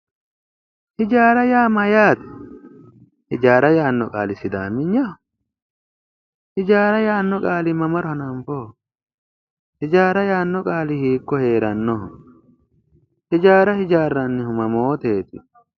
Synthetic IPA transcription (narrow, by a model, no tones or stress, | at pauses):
hɪd͡ʒaːɾɐjaːmɐjaːt̪ɛ̥ | hɪd͡ʒaːɾɐjaːnːɔkʼa̰ːlɪsɪd̪aːmːɪɲːɐ | hɪd͡ʒaːɾɐjaːnːɔkʼaːlɪmɐmɐɾʊhɐnɐɱfɔ | hɪd͡ʒaːɾɐjaːnːɔkʼaːlɪhiːkːɔhe̞ːɾɐnːɔɔ | hɪd͡ʒaːɾɐhɪd͡ʒaːrːɐnːɪhʊmɐmoːt̪eːt̪ɪ̰